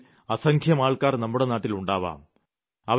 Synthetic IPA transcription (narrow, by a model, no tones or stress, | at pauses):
ɐsɐŋkʰjɐmaːɭkaːrnɐmːuɽe̞naːʈːiluɳɖaːʋa̰ːm | ɐʋ